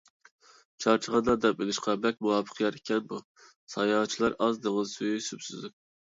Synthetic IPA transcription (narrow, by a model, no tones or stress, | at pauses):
t͡ʃʰɑɾt͡ʃʰəʁɑnd̪ɑd̪ɛp̚belɪʃqʰɑbɛk̚ʲmuwɑːpʰə̥qʰjɑɾekʲʰɛnbu | sɑjɑːt͡ʃʰilˠɑɾɑzd̪əŋəzsyjysypsy̰zyp̚